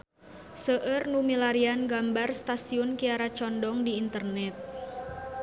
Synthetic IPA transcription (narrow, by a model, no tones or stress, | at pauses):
səʔərnumilaɾianɡambarst̪asiʊnkiaɾat͡ʃɔndɔŋdiːnt̪ərnɛt̪̚